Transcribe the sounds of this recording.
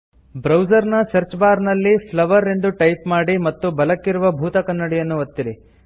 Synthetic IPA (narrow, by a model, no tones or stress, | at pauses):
bɾɐwd͡ʒɐɾnɐsɐɾt͡ʃbaːɾnɐlːipʰlɐʋɐɾe̞nd̪uʈɐjpmaːɽimɐt̪ːubɐlɐkːiɾuʋɐbʱuːt̪ɐkɐnːɐɽijɐnːuɐt̪ːiɾi